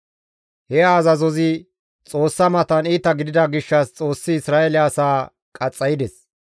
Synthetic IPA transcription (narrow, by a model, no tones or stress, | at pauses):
hɛaːzɐzɔzɪ | t͡sʼo̞ːsːɐmɐt̪ɐniːt̪ɐɡɪd̪ɪd̪ɐɡɪʃːɐst͡sʼo̞ːsːɪɪsɾaːelɪaːsaː | kʼɐt͡sʼːɐjɪd̪ɛs